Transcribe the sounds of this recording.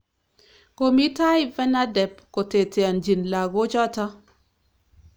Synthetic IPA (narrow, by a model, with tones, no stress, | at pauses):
ko˨mi˦ta˦i˦vɛ˦na˦dɛ˨pko˨te˨ti˨a˨nd͡ʒi˨nla˨ɡo˦t͡ʃɔ˦ta˦